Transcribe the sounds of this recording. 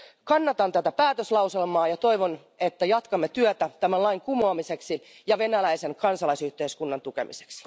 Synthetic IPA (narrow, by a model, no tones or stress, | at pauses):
kɑnːɑt̪ɑnt̪æt̪æpæːt̪øslɑwse̞lmɑːjɑt̪o̞iʋon | et̪ːæjɑt̪kɑmːet̪yøt̪æt̪æmælɑiŋkumoɑmise̞ksi | jɑʋe̞nælæise̞ŋkɑnsɑlɑisyht̪eiskunːɑnt̪uke̞̰mḭse̥ksi̥